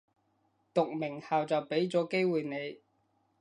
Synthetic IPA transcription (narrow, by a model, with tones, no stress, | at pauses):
t̪ʊ˨k̚mɪ˨˩ŋhaː˨wt͡sɐ˨wpe˨˥jt͡sɔː˨˥ke˥jwuː˨˩jne˨˧j